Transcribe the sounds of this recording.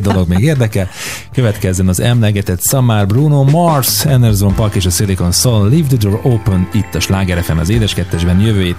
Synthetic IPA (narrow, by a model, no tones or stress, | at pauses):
d̪o̞lo̞ɡmeːɡeːrd̪ɛkɛl | køvɛt̪kɛzːɛnɒzɛmlɛɡɛt̪ɛt̪sɒmaːrbruːnoːmɒrsɛnd̪ɛrzolompɒrkeːʃɒseliko̞nsollivd̪id̪oːroːpønit̪ːɒʃlaːɡɛɾɛfɛnɒ̰zeːd̪ɛʃkɛt̪ːɛʒbɛnjøvøːjeː